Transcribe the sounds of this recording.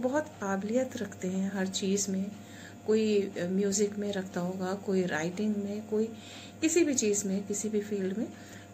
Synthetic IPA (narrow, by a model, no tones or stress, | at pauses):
bɐɦʊt̪kaːbɪlijət̪ɾɐkʰt̪eɦɛ̃ɦɐɾt͡ʃiːzmẽ | koːimjuːzɪkmẽɾɐkʰt̪aɦoːɡakoːiɾaːɪʈɪ̃ŋɡmẽkoːi | kɪsibʱit͡ʃiːzmẽkɪsibʱifiːlɖmẽ